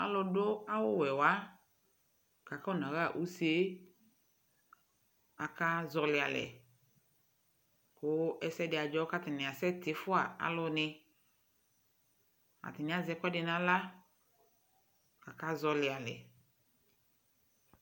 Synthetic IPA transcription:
a̰˦lʊ˧dʊ˦a˦wʊ˦wɛ˨wa˦ | ka˨ka˦ʊ˦˨nã˨ɣa˦˨ʔu˦se˦ | a˨ka˦zɔ˨lɪ˨a˨lɛ̰˨ | kʊ˨˦ɛ˦sɛ˦dɪ˨a˨d͡ʒɔ˦ka˦tɪ˨nɪ˨a˨sɛ˦tɪ˨fʊ˦a˨a̰˦lʊ˧nɪ˧ | a̰˨tɪ˨nɪ̃˨˦a˨zɛ˦kʷɛ˦dɪ˨nã˦la˦ | ka˨ka˦zɔ˧lɪ˨a˨lɛ̰˨

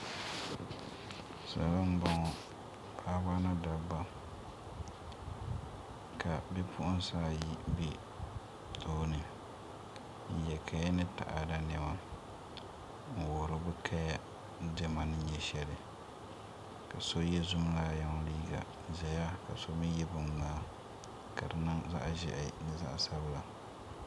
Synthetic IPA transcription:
sa̰˨a˨la˦m̩˦bɔ˦ŋɔ˨ | pʰaː˦ba˦na˦da˨ba˦ | kʰa˨bɛ˦pʰʊ˦ʔʊ˦n˦saː˦˨ji˦bi˦ | tʰoː˦nɨ˨ | n̩˨jɛ˨kʰa˨jɛ˦nɨ˦ta̰˨ʔa˨da˦nɛ˨ma˦ | m̩˨wo˨ɾʊ˦bɨ˦kʰa˦ja˦ | dɛ˦ma˨nɨ˦n˦ɲɛ˦ʃɛ˦lɪ˨ | ka˨so˦jɛ˦zʊ˦m˦laː˦ja˨ŋ˦liː˦ɡa̰˨zɛ˨ja˦ka˨so˦mi˦jɛ˦bʊ˨m˨laː˦ | ka˨dɨ˨nɨ˦ŋza̰˦ʔʒɛ̰˨ʔɪ˨nɨ˦za̰˦ʔsa˦bɨ˦la˨

